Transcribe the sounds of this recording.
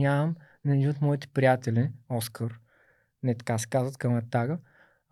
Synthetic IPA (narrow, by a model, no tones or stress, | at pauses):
am | nɐniot̪mɔit̪ɛ̥pɾijat̪ɛlʲiɔskʰəɾ | nɛt̪ɐ̥kasɛ̥kazvət̪kəmɐt̪ːaɡə